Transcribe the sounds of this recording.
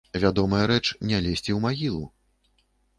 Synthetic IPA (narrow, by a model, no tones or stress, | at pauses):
vʲad̪ɔmɐjɐɾɛt͡ʂnʲalʲesʲt͡sʲiwmaɣʲilˠu